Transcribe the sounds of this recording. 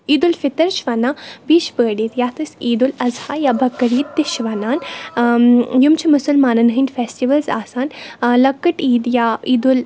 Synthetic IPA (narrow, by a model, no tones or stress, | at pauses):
iːd̪ulfɪt̪ɐɾʃʋɐnaːbiːʃbəːɖiːt̪jaːt̪ʰɨsiːd̪ulɐzhaːjaːbʱɐkːɐɾiːt̪d̪iʃʋɐnaːn | jumt͡ʃʰimʊsɐlmaːnɐnɦɐnʲɖfeːsʈiʋɐlza̰ːsaːnlɐkːɐʈiːd̪jaiːd̪ul